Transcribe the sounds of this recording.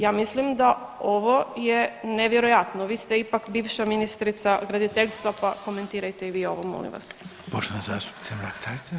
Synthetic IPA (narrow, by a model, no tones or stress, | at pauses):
jaːmislimd̪a | o̞ʋo̞jeneʋjeɾojat̪noʋiːst̪eipakbiːʋʃaminist̪ɾit̪saɡɾad̪it̪eʎʲst̪ʋapako̞me̞nt̪iːɾajt̪eiʋiːo̞̰ʋomo̰lḭmʋa̰s | poʃenazaːst̪u̥p̪semlakt̪ʰaɾt̪e